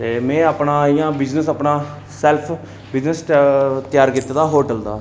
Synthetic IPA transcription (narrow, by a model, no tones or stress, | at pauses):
t̪eːmɛ̃ːəpnaːɪjãːbɪd͡ʒnəsəpnaː | sɛːlpʰ | bɪd͡ʒnəsʈt̪jaːɾkɪt̪ːd̪aːɦoːʈəld̪a̰ː